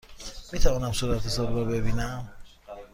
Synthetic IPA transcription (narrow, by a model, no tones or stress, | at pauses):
miːt̪ʰævɒːnæmsoɾæt̪ʰesɔɾbɔbebiːnæm